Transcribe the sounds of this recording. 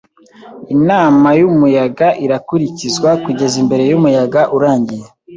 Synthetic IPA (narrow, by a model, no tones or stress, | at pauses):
inaːmajumujaɡaʔiɾakuɾicizwakuɟe̞zimbe̞ɾe̞jumujaɡaʔuɾaːɲɟije